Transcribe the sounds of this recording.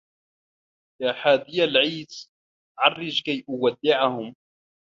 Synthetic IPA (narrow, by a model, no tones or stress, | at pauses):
jaːħaːd̪ɪjalʕiːs | ʕɑrˤːɪd͡ʒkajʔʊwad̪ːɪʕahʊm